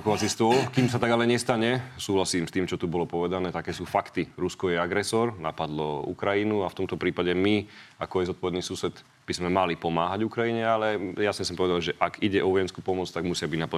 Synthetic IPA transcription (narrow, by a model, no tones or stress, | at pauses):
kɔʋat͡sist̪ʊɔlkiːms̬at̪aɡalɛɲɛst̪aɲɛsuːɦlasiːmst̪iːmt͡ʃɔt̪ubɔlɔpɔʋɛd̪anɛːt̪akɛːsuːfakt̪iɾuskɔjɛaɡɾɛsɔɾna̰pad̪lɔṵkɾajinuaft̪ɔmt̪ɔpɾiːpaɟɛmia̰kɔajɛzɔt̪pɔʋɛd̪niːsusɛd̪ | b̥izmɛmalipɔmaːɦaɟukɾajiɲɛalɛjasɲɛsɔmpɔʋɛd̪alʒɛʔaɡiɟɛʔɔʋɔjɛnskupɔmɔt͡st̪aɡmusɪabiɟnapa